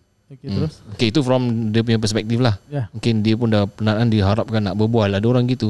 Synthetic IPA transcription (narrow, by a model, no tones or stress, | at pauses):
okeit̪ufɾɔmdiəp̬uɲap̬ərspɛk̚t̪ɪflahmuŋkɪndiəpʊndapənanandiɦaɾap̚kanːaʔbəbualadaoɾaŋɡit̪u